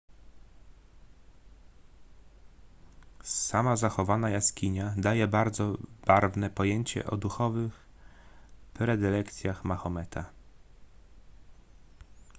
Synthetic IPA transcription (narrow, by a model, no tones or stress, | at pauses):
samazaxɔvanajaskʲiɲad̪ajɛbaɾd̪zɔb̥aɾvnɛpɔjeɲt͡ɕɛ̰ʔɔ̰d̪uxɔvɘx | pɾɛd̪ɘlɛkt̪sʲjaxmaxɔmɛt̪ʰa